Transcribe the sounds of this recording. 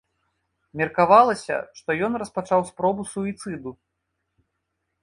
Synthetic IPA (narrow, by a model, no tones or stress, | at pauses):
mʲɛrkavalˠɐsʲɐ̰ʂt̪ɔjɔnrɐspat͡ʂawspɾɔbusuit̪sɨd̪u